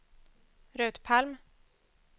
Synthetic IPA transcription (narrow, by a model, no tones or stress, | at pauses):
ɾøːt̪pʰalm